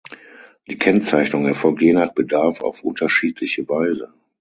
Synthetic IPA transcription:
d̥iːkʰɛnt͡saɪçnʊŋɛɐfɔlk̚tjeːnaχb̥ədaɐfa̰ʊfʔʊntɐʃiːtʰlɪçəvaɪzə

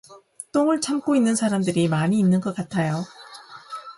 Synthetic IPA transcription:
t͈oŋɯɭt͡ɕʰamk͈oinːɯnsʰaɾamdɯɾimaɲiːnːɯnɡʌk͈atʰajo

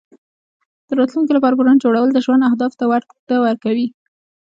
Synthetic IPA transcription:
d̪̥əɾɑt̪lunkolapɑɾap̬uɾɑnd͡ʒoɽawəld̪əʒwand̪ahd̪ɑft̪awaɾ | t̪əwəɾkawi

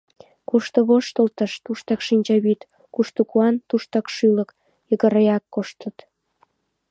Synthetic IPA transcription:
kuʃt̪ŏβoʃt̪əlt̪ə̆ʃt̪uʃt̪ɑkʃinʲt͡ɕɑβit̪ | kuʃt̪okuɑnt̪uʃt̪ɑkʃylə̆k | jəɣə̆ɾəjɑkːoʃt̪ə̆t̪

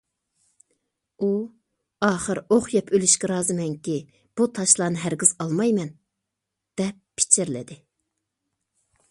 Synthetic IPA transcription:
u | ɑːχəɾoχjɛpʰølyʃkʲɛɾɑːzɨmɛŋkʲi | b̥ut̪ʰɑʃlˠɑːnɨɦæɾɡʲiz̥ɑlˠmɑjmɛn | d̪̥ɛpːʰi̥t͡ʃʰɪɾlɪ̰d̪ɪ

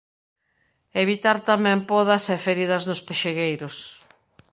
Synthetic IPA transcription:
eβit̪aɾt̪amɛ̃mpɔð̞ɐsɛfeɾiðɐznʊspeʃeɣejɾʊs

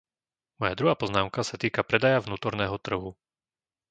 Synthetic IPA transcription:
mɔjad̪ɾuɦaːpɔznaːmkasat̪iːkapɾɛd̪ajavnuːt̪ɔɾnɛːɦɔt̪r̩ɦu

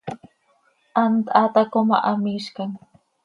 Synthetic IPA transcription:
ʔant̪at̪akoma̰ʔamɪʃkaŋ

